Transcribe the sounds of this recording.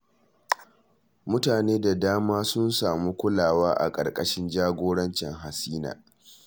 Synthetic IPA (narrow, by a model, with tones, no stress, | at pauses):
mʊ˦taː˨neː˦da˨daː˦maː˦sʊ˦nsaː˨muː˦kʷʊ˦laː˨waː˦ʔa̰˨kʼɐ̰˨rkʼɐ˦ʃɪ˦nd͡ʒaː˦ɡʷoː˦ɽɐ˦nt͡ʃɛ˨ŋɦa˨siː˦na̰ː˨